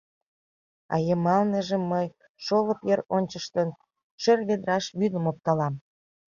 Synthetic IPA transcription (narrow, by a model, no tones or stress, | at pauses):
ɑ̰jəmɑlnəʒemːəj | ʃoləpjeɾonʲt͡ɕəʃt̪ən | ʃerβed̪ɾɑʃβyd̪əmop̚t̪ɑlɑm